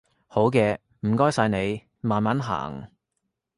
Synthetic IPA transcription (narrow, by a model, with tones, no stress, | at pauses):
ho˨˥wkɛː˧ | m̩˨˩kɔː˥jsɐ˧jne˨˧j | maː˨˧nmaː˨˥nɦa̰ː˨˩ŋ